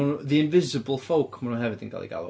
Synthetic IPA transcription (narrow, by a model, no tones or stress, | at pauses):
unðiɪnvɪzɨbəl̩ˠfowkʰmanunhɦɛvɨdə̰nkʰa̰lˠḭɡa̰lˠṵ